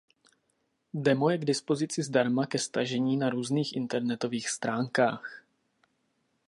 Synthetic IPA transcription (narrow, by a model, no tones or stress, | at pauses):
dɛmojɛɡdɪspo̞zɪt͡sɪzdaɾmakɛst̪aʒɛɲiːnaɾuːzniːxʔɪnt̪ɛɾnɛt̪o̞viːxst̪ɾaːŋkaːx